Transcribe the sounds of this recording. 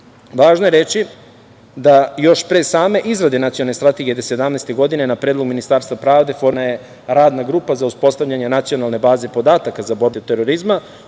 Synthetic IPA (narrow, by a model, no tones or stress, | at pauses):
ʋaːʒnoje̞ɾe̞t͡ʃi | d̪ajo̞ʃpɾesaːme̞ʔizɾad̪enat̪ionalnest̪ɾat̪eɡijed̪ese̞d̪amneːst̪e̞ɡo̞d̪ine̞napɾeːdlo̞ɡminist̪aːɾst̪ʋapɾaːʋd̪e̞fo̞ɾnaje̞ | ɾaːd̪naɡɾuːpazauspo̞st̪avʎaɲe̞nat̪sio̞nalˠne̞baːze̞po̞d̪aːt̪akazaboɾd̪eot̪eɾo̞ɾizma